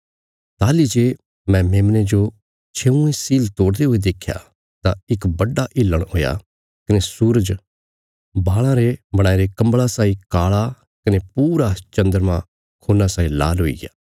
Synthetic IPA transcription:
t̪aːlid͡ʒe | mɛ̃meːmned͡ʒo | t͡ʃʰeːũẽsiːlt̪oːɽd̪eɦoed̪eːkʰja̰ | t̪aɪkbɐɖaʔɪlːəɽ̃ɦoːja̰ | kɐnesuːɾəd͡ʒ | baːɭ̃ãɾebɐɽ̃aːiɾekɐ̃mbɭasaːikaːɭa | kɐnepuːɾat͡ʃɐ̃nd̪əɾmã | kʰoːnasaːĩla̰ːlɦoːḭɡjaː

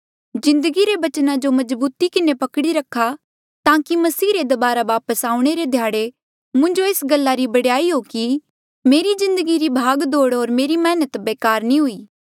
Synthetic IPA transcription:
d͡ʒɪ̃nd̪əɡiɾeʋɐt͡ʃnãd͡ʒomɐzbuːt̪ikɪnepɐkɽiɾɐkʰːa | t̪ãːkimɐsiːɾed̪ɐbaːɾaʋaːpəsaːũɽ̃eɾed̪ʱjaːɽe | mʊ̃ɲd͡ʒoeːsɡɐlːaɾibɐɽjaːiɦoki | meːɾizɪ̃nd̪əɡiɾibʱaːɡd̪oːɽɦoːɾmeːɾimɛːnət̪beːkaːɾnĩɦʊiː

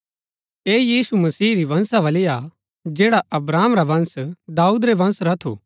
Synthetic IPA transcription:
eːjiːsumɐsiːɾiʋɐ̃nsaʋɐlɪja | d͡ʒeːɽaɐbɾaːmɾaʋɐ̃nsd̪aːuːd̪ɾeʋɐ̃nsɾɐt̪ʰo̰ː

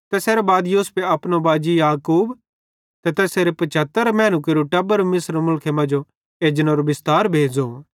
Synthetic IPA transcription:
t̪ɛːseːɾobaːd̪joːsʊ̥peɐpnobaːd͡ʒijaːkuːb | t̪ɛt̪ɛːseːɾepɐt͡ʃʰət̪əɾmɛ̃ːñukeɾuʈɐbəɾmɪsɾmʊlkʰemɐ̃d͡ʒo | eːd͡ʒənoɾobɪst̪aːɾbʱeːd͡ʒoː

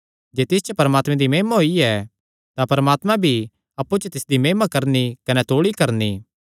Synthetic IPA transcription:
d͡ʒeːt̪ɪs̬t͡ʃəpɐɾəmaːt̪mɛ̃d̪imeːmaɦoiɛ | t̪ãpɐɾəmaːt̪mãbʱi | ɐpːut͡ʃət̪ɪsd̪imeːmakɐɾnikɐnɛt̪oːɭikɐɾni

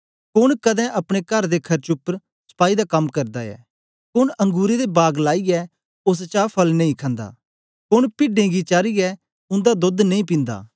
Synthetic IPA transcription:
kʊɽkɐd̪ɛ̃ʔɐpɽ̃ekɐɾd̪ekʰɐɾt͡ʃʊpɾ | sɐ̥paːid̪akɐmːkɐɾd̪aɛ̰ː | kʊnɐ̃ŋɡuːɾed̪ebaːɡlaːiɛ | ʊs̬t͡ʃaːpʰɐlnɐ̃ĩkʰɐ̃nd̪a̰ː | kʊnpɪɖẽɡit͡ʃaːɾiɛ | ʊ̃nd̪ad̪od̪nɐ̃ĩp̬ɪ̃nd̪a̰ː

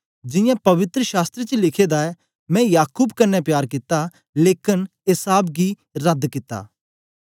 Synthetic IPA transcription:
d͡ʒɪ̃jãpɐʋɪt̪ɾəʃaːst̪ɾet͡ʃəlɪkʰeːd̪aɛ | mɛ̃jaːkuːbkɐnːɛpjaːɾkɪt̪ːa | leːkɪnɦɪsaːbɡi | ɾɐd̪kɪt̪ːa̰ː

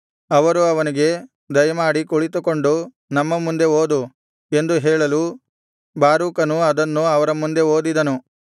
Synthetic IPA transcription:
ɐʋɐɾuɐʋɐniɡe̞ | d̪ɐjɐmaːɽikuɭit̪uko̞ɳɖu | nɐmːɐmund̪e̞oːd̪u | e̞nd̪uɦɛːɭɐlu | baːɾuːkɐnuɐd̪ɐnːuɐʋɐɾɐmund̪e̞oːd̪id̪ɐnu

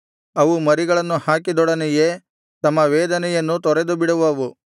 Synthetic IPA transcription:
ɐʋumɐɾiɡɐɭɐnːuhaːkid̪ɔɽɐnɛje | t̪ɐmːɐʋɛːd̪ɐnɛjɐnːut̪ɔɾed̪ubiɽɐʋɐʋu

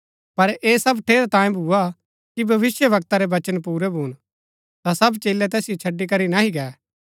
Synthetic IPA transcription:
pɐɾeːsɐbʈʰeːɾt̪ãːjẽbʱuːa | kibʱɐʋɪsjəʋɐk̚t̪aɾɛʋɐt͡ʃənpuːɾɛbʱuːn | t̪asɐbt͡ʃeːlɛt̪ɛːsɪjot͡ʃʰɐɖːikɐɾinaɦiɡɛː

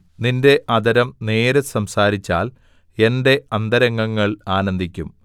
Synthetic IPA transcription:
ninde̞ʔɐd̪ɐɾɐmne̞ːɾesɐmsaːɾit͡ɕːaːl | e̞nde̞ɐnd̪ɐɾɐŋːɐŋːɐɭaːnɐnd̪ʱikʲːum

